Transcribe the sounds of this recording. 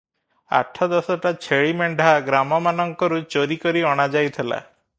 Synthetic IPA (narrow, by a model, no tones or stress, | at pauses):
a̰ʈʰɔd̪ɔsɔʈat͡ʃʰeɭimeɳɖʱaɡɾamɔmanɔŋkɔɾut͡ʃoɾikɔɾiɔɽ̃ad͡ʒajt̪ʰela̰